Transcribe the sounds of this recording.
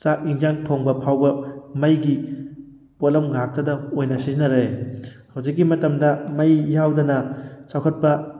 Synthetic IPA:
t͡ʃak̚iŋd͡ʒaŋtʰoŋbɐpʰawbɐmɐjɡi | potlɐmɡak̚tɐdɐojnɐsizinːɐɾehawzik̬ːimɐtɐmdɐmɐjːawdɐnɐt͡ʃawkʰɐt̚pɐ

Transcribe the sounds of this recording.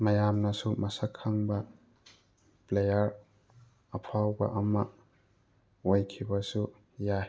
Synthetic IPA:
mɐjamnɐsumɐsakʰːaŋbɐ | plejɐɾ | ɐpʰawbɐ̰ʔɐmɐ | ojkʰibɐsu | ja

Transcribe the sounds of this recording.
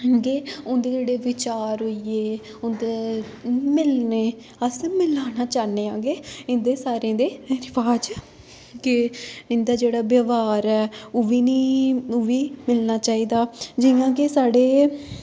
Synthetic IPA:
ɡeːʊnd̪eːd͡ʒeːɽeːʋɪt͡ʃaːɾɦoieː | ʊnd̪e | mɪlneː | əsmɪlaːnaːt͡ʃaːneːãːɡeːɪnd̪eːsaːɾẽːd̪eːɾɪʋaːd͡ʒ | kɪɪnd̪aːd͡ʒeːɽaːbjaːʋaːɾɛːoːʋiːnĩːoʋiːmɪlnaːt͡ʃaːiːd̪aːd͡ʒɪjãːkesaːɽeː

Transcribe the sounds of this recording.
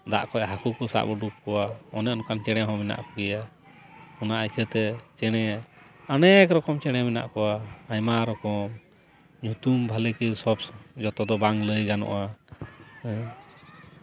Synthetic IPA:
d̪a̰ʔkɔʔɦakukɔsa̰ʔbɔɖukːɔwaɔnɛɔnkant͡ʃɛɽ̃ɛɦɔ̃mina̰ʔkɔɡɛja | hɔnaʔajkʰət̪ɛt͡ʃɛɽ̃ɛanɛkɾɔkɔmt͡ʃɛɽ̃ɛmɛna̰ʔkɔwaajmaɾɔkɔm | ɲũt̪umbʱalɛkisɔpd͡ʒɔt̪ɔd̪ɔbaŋləjɡanɔ̰ʔa

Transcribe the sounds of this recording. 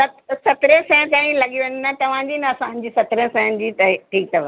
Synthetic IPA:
sɐt̪sɐt̪ɾẽsɛ̃ːnkɐ̃ːĩlɐɠiʋẽnnɐt̪ɐʋ̤ãd͡ʑiːnɐɐsãɦn̆d͡ʑiːsɐt̪ɾẽsɛ̃ːən̆d͡ʑiːt̪ɐʈʰiːk̚t̪ʰɐʋə

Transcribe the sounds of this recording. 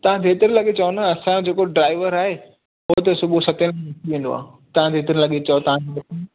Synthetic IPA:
t̪ɐʋ̤ãd̪ʱeːt̪ɪɾĩlɐɠet͡ɕɐonɐɐsãd͡ʑeːkoɖɾaːɪʋəɾaːɦe | ɦot̪ɐsʊbʱusɐt̪ẽnɐk̪ʰiʋĩːnd̪o̰a̰ːɦ | t̪ɐʋ̤ãd̪ʱeːt̪ɪɾĩlɐɠet͡ɕɐot̪ɐʋ̤ãd͡ʑomɐt

